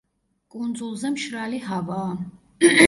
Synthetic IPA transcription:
kʼund̪zulˠzɛmʃɾaliɦavaː

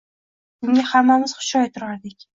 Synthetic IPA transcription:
mʊŋʲahamːamɪz̥χʊ̥ʃɒjt̪ʰʊɾaɾd̪ɪkʲ

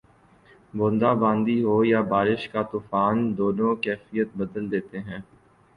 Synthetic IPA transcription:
bõːnd̪abãːnd̪iɦojabaːɾɪʃkat̪uːfaːnd̪oːnõkɛːfijət̪̚bəd̪əld̪eːt̪eɦɛ̃ː

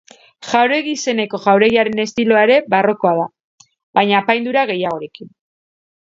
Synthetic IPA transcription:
ʝawɾe̞ɣiːse̞ne̞ko̞ʝawɾe̞ɣiaɾe̞ne̞st̪ilo̞aeɾe̞baro̞ko̞aða | baɲaːpajnd̪uɾaɣ̞e̞jaɣ̞o̞ɾe̞kin

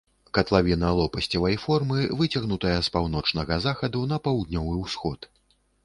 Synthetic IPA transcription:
kɐt̪lˠavʲinɐlˠɔpɐsʲt͡sʲɐvɐjfɔrmɨvɨt͡sʲɐɣnut̪ɐjɐspawnɔt͡ʂnɐɣɐzaxɐd̪unɐpawd̪nʲɔvɨwsxɔt̪

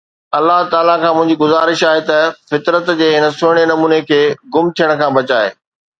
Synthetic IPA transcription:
ɐlːaɦt̪aːlakʰãːmʊ̃ɦɪ̃ɲd͡ʑiɡʊzaːɾɪʃaːɦet̪ɐfɪt̪ɾət̪d͡ʑeːɦɪnə̆sʊːɪɽ̃enɐmuːnekʰeːɡʊmt̪ʰijəɽ̃̆kʰãːbɐt͡ɕaːḛː

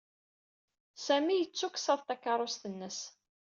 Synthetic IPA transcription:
sæmijət͡sːuksɑðˤt̪ækːɑɾˤost̪ənːəs

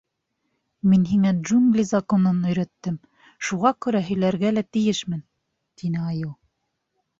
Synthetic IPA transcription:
minɦiŋædʒuŋɡlʲizɐkonɤnɵ̆jɾæt̪ːɘm | ʃuʁɑkʉɾæɦɵ̆jlæɾɡælæt̪ɘ̆jɘʃmɘn | t̪inɘɑjɤlˠ

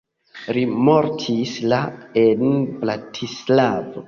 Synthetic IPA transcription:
ɾimoɾtʰislaenbɾatʰislavo

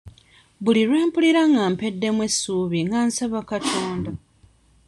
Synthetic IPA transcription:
βuliɾwe̞ːmpuliɾaŋɡaːmpe̞dːe̞mwe̞sːuːβiŋɡaːnsaβakatʰoːnda

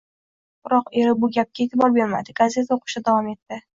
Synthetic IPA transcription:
b̥ɾɒqe̞ɾɪbʊɡʲap̚kʲʰaet̪ʰɪbɒɾbe̞ɾma̰d̪ɪɡaze̞t̪ʰaoqʰɨ̥ʃt̪ad̪avɒme̞t̪ːɪ

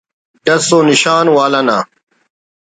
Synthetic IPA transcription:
ɖɐsoːniɕaːnwaːlɐna

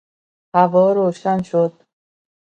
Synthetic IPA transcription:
hævɒːɾoːʃænʃod̪̥̚

